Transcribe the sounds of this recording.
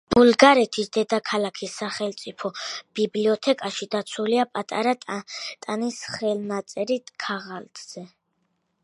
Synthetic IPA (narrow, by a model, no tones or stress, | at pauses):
b̥ulɡaɾɛt̪ʰisd̪ɛd̪akʰalakʰisːaχɛlt̪sʼipʰɔb̥ibliɔt̪ʰɛkʼaʃid̪at̪sʰuliapʼat̪ʼa̰ɾat̪ʼanisχɛlnat̪sʼɛɾit̪ʼkʰaʁalt̪ʼz̥ɛ